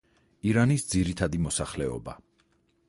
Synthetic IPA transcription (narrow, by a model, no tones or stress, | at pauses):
iɾanisd̪ziɾit̪ʰad̪imɔsaχlɛɔ̰ba̰